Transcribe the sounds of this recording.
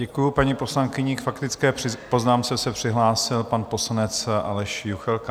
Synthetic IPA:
ɛkujupaɲipo̞slaŋkɪɲikfakt̪ɪt͡skɛːɪpo̞znaːmt͡sɛsɛpr̝̥ɪɦlaːsɪlpanpo̞slanɛt͡sʔa̰lɛʃjuxɛlka

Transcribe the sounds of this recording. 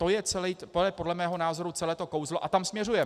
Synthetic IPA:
t̪ojɛt͡sɛlɛpojɛpo̞dlɛmɛːɦo̞naːzo̞ɾut͡sɛlɛːt̪o̞kowzloʔat̪amsmɲɛrujɛ

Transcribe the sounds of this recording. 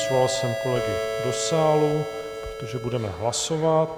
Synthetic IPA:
sovalsɛmkolɛɡɛdo̞saːlu | pɾot̪o̞ʒɛbudɛmɛɦlaso̞vat̪̚

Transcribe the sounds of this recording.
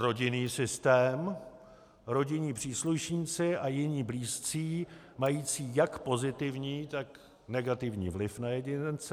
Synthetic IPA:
ɾo̞ɟɪniːsɪst̪ɛːm | ɾo̞ɟɪɲiːpr̝̥iːsluʃɲiːt͡sɪʔajɪɲiːbliːst͡siː | majiːt͡siːjakpo̞zɪt̪ɪvɲiːt̪ak | nɛɡat̪ɪvɲḭːvlɪfnajɛɟɪnt͡s

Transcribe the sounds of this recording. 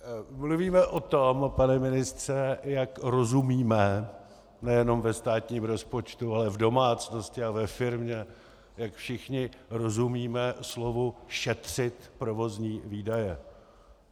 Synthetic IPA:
mluviːmɛʔo̞t̪o̞mpanɛmɪnɪst̪r̥ɛjakɾo̞zumiːmɛ | nɛjɛno̞mvɛst̪aːt̪ɲiːmɾo̞spo̞t͡ʃt̪ualɛvdo̞maːt͡sno̞scɪavɛfɪɾmɲɛ | jakfʃɪxɲɪɾo̞zumiːmɛslo̞vuʃɛt̪r̝̥ɪt̪pɾo̞vo̞zɲiːviːdajɛ

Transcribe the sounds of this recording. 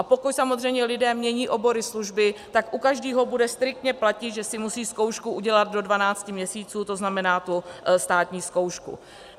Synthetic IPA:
ʔapokucsamo̞zr̝ɛjmɲɛlɪdɛːmɲɛɲiːʔo̞bo̞ɾɪsluʒbɪt̪akʔukaʒdiːɦo̞budɛst̪ɾɪk̚t̪ɲɛplacɪt̪ʒɛsɪmusiːsko̞wʃkuʔuɟɛlad̪̚do̞dvanaːt͡scɪmɲɛsiːt͡suːt̪o̞znamɛnaːt̪ust̪aːt̪ɲiːsko̞wʃkṵ

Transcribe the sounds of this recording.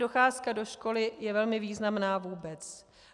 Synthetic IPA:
do̞xaːskado̞ʃko̞lɪjɛvɛlmɪviːznamnaːvuːbɛt͡s

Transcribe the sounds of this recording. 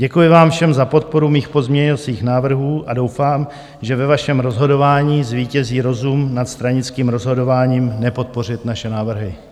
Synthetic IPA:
ɟɛkujɪvaːmfʃɛmzapo̞t̪̚po̞ɾumiːxpo̞zmɲɛɲot͡siːxnaːvr̩ɦuːʔado̞wfaːm | ʒɛvɛvaʃɛmɾo̞zɦo̞do̞vaːɲiːzviːcɛziːɾo̞zumnat̪st̪ɾaɲɪt͡skiːmɾo̞zɦo̞do̞vaːɲiːmnɛpo̞t̪̚po̞r̝ɪt̪naʃɛnaːvr̩ɦɪ

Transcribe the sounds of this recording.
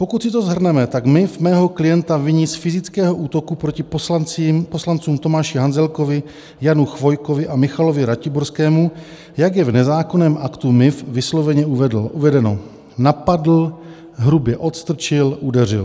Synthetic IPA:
po̞kut̪sɪt̪o̞zɦr̩nɛmɛt̪aɡmɪfmɛːɦo̞klɪjɛnt̪avɪɲisfɪzɪt͡skɛːɦo̞ʔuːt̪o̞kupɾo̞cɪpt͡simpo̞slant͡suːmt̪o̞maːʃɪɦanzɛlko̞vɪ | januxvo̞jkovɪʔamɪxalo̞vɪɾacɪboɾskɛːmu | jaɡjɛvnɛzaːko̞nɛːmʔakt̪umɪfvɪslo̞vɛɲɛʔuvɛdl̩ʔuvɛdɛno̞ | napadl̩ | ɦɾubjɛʔo̞t̪st̪r̩t͡ʃɪlʔudɛr̝ɪ̰l

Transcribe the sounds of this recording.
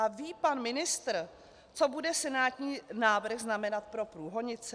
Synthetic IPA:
aviːpanmɪnɪst̪r̩ | t͡so̞budɛsɛnaːt̪ɲiːnaːvr̩xznamɛnat̪̚pɾo̞pɾuːɦo̞ɲɪt͡sɛ

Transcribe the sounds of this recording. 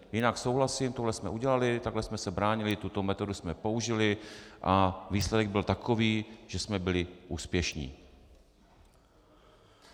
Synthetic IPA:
jɪnaksowɦlasimt̪oɦlɛsmɛ̰ʔuɟɛlalɪt̪aɡɦlɛsmɛsɛbɾaːɲɪlɪt̪ut̪o̞mɛt̪o̞dusmɛpouʒɪlɪʔaviːslɛdɛɡ̚bɪlt̪akʰoviːʒ̥ɛsmɛbɪlɪʔuːspjɛʃɲḭː

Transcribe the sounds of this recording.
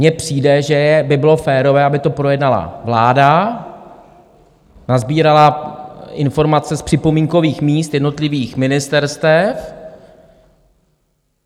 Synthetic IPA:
mɲɛpr̥iːdɛʒɛjɛbɪbɪlo̞fɛːɾo̞vɛːʔabɪt̪o̞pɾo̞jɛdnala̰vlaːda | nazbiːɾala | ɪnfo̞ɾmat͡sɛspr̝̥ɪpo̞miːŋko̞viːxmiːst̪jɛdno̞t̪lɪviːxmɪnɪst̪ɛɾst̪ɛf

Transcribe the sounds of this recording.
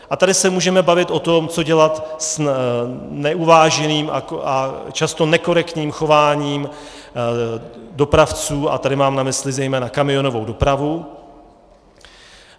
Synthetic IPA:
ʔat̪adɪsɛmuːʒɛmɛbavɪt̪ʔo̞t̪o̞mt͡so̞ɟɛlat̪s | nɛʔuvaːʒɛniːma̰at͡ʃast̪o̞nɛko̞ɾɛkt̪ɲiːmxo̞vaːɲiːm | do̞pɾaft͡suːa̰t̪adɪmaːmnamɪslɪzɛjmɛːnakamɪo̞no̞vo̞wdo̞pɾavu

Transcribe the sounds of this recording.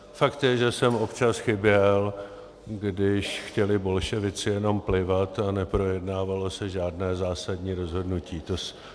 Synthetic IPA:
fakt̪jɛʒɛsɛmo̞pt͡ʃasxɪbjɛl | ɡdɪʃxcɛlɪbo̞lʃɛvɪt͡sɪjɛno̞mplɪvat̪anɛpɾo̞jɛdnaːvalo̞sɛʒaːdnɛːzaːsadɲiːɾo̞zɦo̞dnuciːt̪os

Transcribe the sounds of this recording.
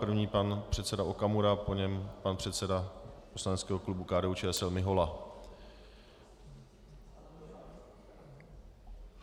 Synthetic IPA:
pr̩vɲiːpanpr̥ɛt̪t͡sɛdaokamuɾapoɲɛmpanpr̝̥ɛt̪sɛdaposlanɛt͡skɛːɦoklubukaːdɛːut͡ʃɛːɛsɛlmɪɦola

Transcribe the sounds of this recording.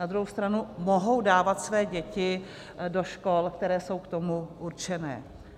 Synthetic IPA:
ad̪ɾuɦowst̪ɾanumo̞ɦo̞wdaːvat̪svɛːɟɛcɪ | do̞ʃkolkt̪ɛɾɛːso̞wkt̪o̞muʔuɾt͡ʃɛnɛ̰ː

